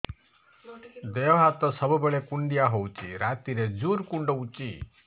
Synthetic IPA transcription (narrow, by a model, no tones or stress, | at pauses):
d̪eɔɦat̪ɔsʌbubeɭekuɳɖijaɦowt͡ʃʰḭɾat̪iɾed͡ʒuɾkuɳɖɔut͡ʃi